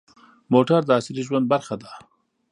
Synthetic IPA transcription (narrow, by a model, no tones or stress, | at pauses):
moʈaɾd̪əasɪɾiʒwand̪̚baɾxad̪a